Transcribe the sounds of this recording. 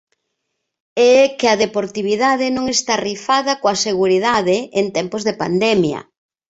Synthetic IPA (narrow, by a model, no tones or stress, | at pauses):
ɛkɪɐðepoɾt̪iβiðaðɪnõŋest̪arifaðɐkoɐseɣuɾið̞aðɪent̪ɛmpʊzðepa̰nd̪ɛmjɐ̰